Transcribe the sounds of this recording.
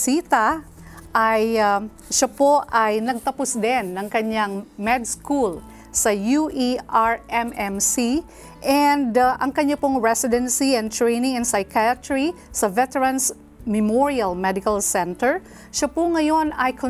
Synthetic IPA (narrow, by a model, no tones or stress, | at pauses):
sit̪ɐ | ʔaja | ʃɐpoʔajnɐɡ̚t̪ɐpʊsd̪ɛnːɐŋkɐɲaŋmɛd̪skul | sɐjuʔiʔaɹʔɛmʔɛmsi | ʔɛnd̪aʔɐŋkɐɲapoŋɹɛsɪd̪ɛnsiɛnt̪ɹejnɪŋɛnsajkʰaɐt̪ɹi | sɐvɛt̪ɛɹɐns | mɛmoɹiɐlmɛd̪ɪkɐlsɛnt̪ɛɹ | ʃɐpʊŋɐjo̞nɐjkʰo